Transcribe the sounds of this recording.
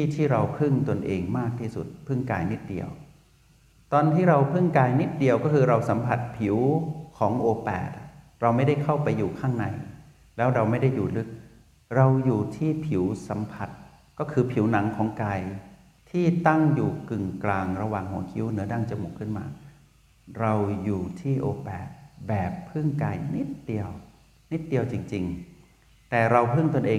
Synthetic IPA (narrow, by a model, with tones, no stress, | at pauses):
t̪ʰiː˥˩t̪ʰiː˥˩ɾa˧wpʰɯ˥˩ŋt̪o˧nʔeː˧ŋmaː˥˩k̚t̪ʰiː˥˩sṵ˨˩t̪̚pʰɯ˥˩ŋkaː˧jni˦˥t̪̚dḭ˧əw | t̪ɔː˧nt̪ʰiː˥˩ɾa˧wpʰɯ˥˩ŋkaː˧jni˦˥t̪̚di˧əwkɔː˥˩kʰɯː˧ɾa˧wsa˩˦mpʰa˨˩t̪̚pʰi˨˩˦wkʰɔː˩˦ŋʔoː˧pɛ̰ː˨˩t̪̚ | ɾa˧wma˥˩jda˥˩jkʰa˥˩wpa˧jːuː˨˩kʰaː˥˩ŋna˧j | lɛː˦˥wɾa˧wma˥˩jda˥˩jːuː˨˩lɯ˦˥k̚ | ɾa˧wjuː˨˩t̪ʰiː˥˩pʰi˩˦wsa˩˦mpʰa˨˩t̪̚ | kɔː˥˩kʰɯː˧pʰi˨˩˦wna˩˦ŋkʰɔː˩˦ŋkaː˧j | t̪ʰiː˥˩t̪a˥˩ŋjuː˨˩kɯ˨˩ŋklaː˧ŋɾa˧waː˨˩ŋhu˨˩˦ɐkʰi˦˥wnɯ˩˦ɐda˥˩ŋt͡ɕa˧mu˨˩kʰːɯ˥˩nma̰ː˧ | ɾa˧wjuː˨˩t̪ʰiː˥˩ʔoː˧pɛ̰ː˨˩t̪̚bɛː˨˩pʰːɯ˥˩ŋkaː˧jni˦˥t̪̚d̪i˧əw | ni˦˥t̪̚di˧əwt͡ɕi˧ŋt͡ɕi˧ŋ | t̪ɛː˨˩ɾa˧wpʰɯ˥˩ŋt̪o˧nʔeː˧